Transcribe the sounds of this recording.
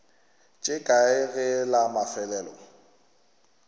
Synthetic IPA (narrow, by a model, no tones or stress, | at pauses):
t͡ʃʼɪkʼaɪɣɪlamafɛlɛːlɔ̰